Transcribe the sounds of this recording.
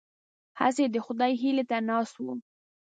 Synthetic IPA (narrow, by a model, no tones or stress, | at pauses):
ha̰sed̪əxʊd̪ɑjɦilet̪anɑswu